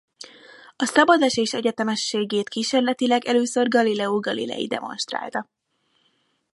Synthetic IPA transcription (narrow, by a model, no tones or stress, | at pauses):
ɒsɒbɒd̪aʃeːʃɛɟɛt̪ɛmɛʃːeːɡeːt̪kiːʃeːrlɛt̪ilɛɡɛløːsø̞rɡɒlilɛuɡɒlḭlɛ̰jḭd̪ɛ̰mo̞̰nʃt̪ra̰ːlt̪ɒ